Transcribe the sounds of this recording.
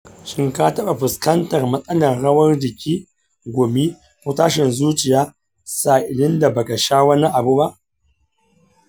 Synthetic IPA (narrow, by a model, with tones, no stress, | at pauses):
ʃɪ˦ŋka˦tɐ˦ɓa˨ɸʊ˨skɐ˦ntɐ˨rmɐ˦sʼɐ˦lɐ˨rɽɐ˦wɐ˦rd͡ʒɪ˨kʲiː˦ | ɡʷoː˨mi˦ | kʷu˦taː˦ʃɪ˨nzuː˦t͡ʃɪ˨jaː˦ | saː˨ʔɪ˨lɪ˦nda˨bɐ˨ɡɐ˨ʃaː˦wɐ˦ni˦ʔa˨bu˦ba˦ʔ